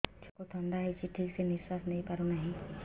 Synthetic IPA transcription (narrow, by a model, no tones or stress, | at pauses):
t͡ʃʰokot̪ʰə̃nd̪aɦit͡ʃiʈʰːiɡsenɪswasnɐɦĩpaɾonɐɦĩ